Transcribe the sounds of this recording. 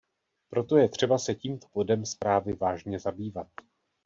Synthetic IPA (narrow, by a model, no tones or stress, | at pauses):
pɾo̞t̪o̞jɛt̪r̝̥ɛbasɛciːmt̪o̥b̥o̞dɛmspɾaːvɪvaːʒɲɛzabiːvat̪̚